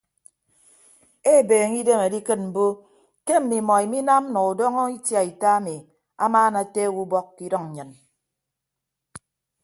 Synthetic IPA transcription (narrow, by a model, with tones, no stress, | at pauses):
e˦˨beː˨ŋi˦de˦me˨di˦kɨ˦t̚m̩˨bo˦ | ke˦m̩˨mi˨mɔ˨i˨mi˦na˦m̩˦nɔ˨u˨dɔ˦ŋɔ˦i˦tja˨i˨ta˦a˦mi˨ | a̰˦maː˦na˨te˦˨wu˦bɔ˦kːi˦dɔ˦ŋɲ̩˨ɲɨ˨n